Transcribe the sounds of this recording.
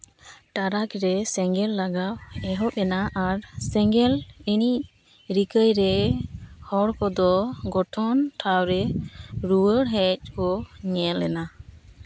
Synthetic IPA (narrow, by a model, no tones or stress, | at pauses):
ʈaɾakɾɛsɛŋɡɛlːaɡawɛɦɔp̚ɛnaʔaɾsɛŋɡɛlini | ɾikəjɾɛ | hɔɽkɔd̪ɔɡɔʈʰɔntʰawɾɛɾuwəɽɦɛc̚kɔɲɛlːɛna